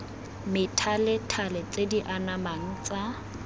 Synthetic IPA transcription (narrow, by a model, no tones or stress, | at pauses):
mɪtʰalɪtʰalɪt͡ɬediʔanamaŋ̩t͡sʼa